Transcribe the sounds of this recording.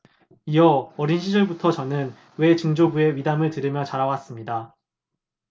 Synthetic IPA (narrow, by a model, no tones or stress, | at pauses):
iʌʌɾinɕʰid͡ʑʌɭbutʰʌt͡ɕʌnɯn | we̞t͡ɕɯŋd͡ʑobue̞ɥidamɯɭtɯɾimjʌt͡ɕaɾawas͈ɯmɲida